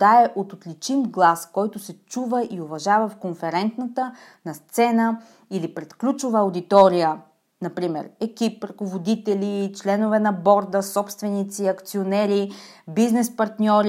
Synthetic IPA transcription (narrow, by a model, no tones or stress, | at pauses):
aɛʔot̪ot̪lit͡ʃimɡlˠaskɔjt̪ʊsɛt͡ʃuvəʔiovɐʒavəfkonfɛɾɛnt̪nət̪ə | nɐst̪sɛnə | ilipɾɛt̪klʲut͡ʃʊvəʊd̪it̪ɔɾijə | nɐpɾimɛ̰ɾɛkipɾɐkovod̪it̪ɛlit͡ʃlɛnovɛnɐbɔɾd̪əsɔpst̪vɛnit̪siɐkt̪sionɛɾibiznɛspɐɾt̪nʲɔɾ